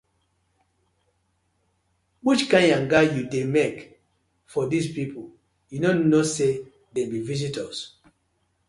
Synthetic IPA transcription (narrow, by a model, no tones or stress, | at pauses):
wit͡ʃkãɪ̃ndãnɡajudemek | fɔdispipʰo | junonose | debivizitɔs